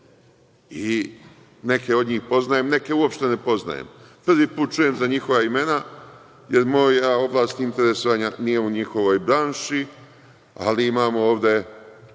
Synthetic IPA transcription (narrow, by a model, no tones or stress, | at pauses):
i | ne̞kʰe̞o̞d̪ɲiːxpo̞znajemne̞ke̞uo̞pʃt̪e̞ne̞po̞zna̰jḛmpr̩ʋiːpuːt̪̚t͡ʃuje̞mzaɲixo̞ʋaime̞na | jeɾmo̞ːjao̞blˠaːst̪int̪e̞ɾesoʋaɲanije̞uɲixo̞ʋo̞jbɾaːnʃi | a̰liimaːmooːʋd̪e̞